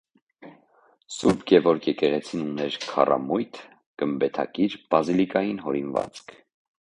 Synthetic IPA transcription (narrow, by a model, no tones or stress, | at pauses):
suɾbɡɛvɔɾkʰjɛkɛʁɛt͡sʰinunɛɾkʰɑ̰rʔɑ̰mujt̪ʰ | ɡ̥əmbɛt̪ʰɑ̰kiɾb̥ɑzilikɑjinɦɔɾinvɑ̰t͡skʰ